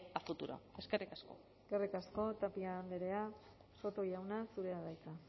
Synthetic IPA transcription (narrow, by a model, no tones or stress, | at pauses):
afut̪uɾo̰e̞skerʔikasko̞̰ | kerikasko̞t̪apiaːnd̪eɾe̞a | so̞t̪o̞jawnasuɾe̞aðajka